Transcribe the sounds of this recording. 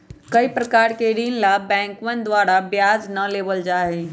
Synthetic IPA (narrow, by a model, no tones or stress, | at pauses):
kɐipɾɐkaːɾkeɾiːnlabɛ̃ːŋkʋənd̪waːɾabjaːd͡ʒnɐleːʋəld͡ʒaːɦe